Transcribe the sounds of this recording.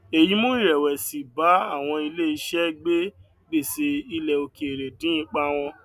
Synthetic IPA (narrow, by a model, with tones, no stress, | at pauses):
e˨ji˨˦mõ˦i˦˨ɾɛ˨wɛ˨si˨ba˨˦a˦˨w̃ɔ̃˧i˧le˦˨i˧ʃɛ˦ɡ͡be˦ | ɡ͡be˦˨se˧i˧lɛ˨o˧ke˨e˨ɾe˨dĩ˨˦ĩ˧˦k͡pa˦w̃ɔ̃˧